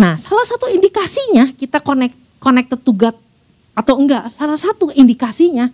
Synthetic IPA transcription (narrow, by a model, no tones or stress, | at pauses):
nahsalasat̪uindikasiɲakit̪akonɛk̚t̪ | konɛk̚t̪ət̪uɡat̪̚ | at̪awəŋɡaʔsalahsat̪uindikasiɲa